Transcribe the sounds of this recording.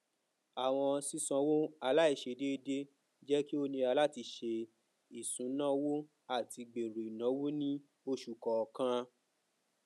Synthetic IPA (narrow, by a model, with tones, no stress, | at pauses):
a˨w̃ɔ̃˧si˦˧sã˧wo˦a˧la˦i˦˨ʃe˧˨de˦de˦ | d͡ʒɛ˦ki˦o˦nĩ˧a˧la˦ti˧ʃe˧ | i˨sũ˨˦nã˦wo˦ | a˦˨ti˧ɡ͡be˨ɾu˨i˨nã˨˦wo˦nĩ˦ | o˧ʃu˨kɔ˨kã˧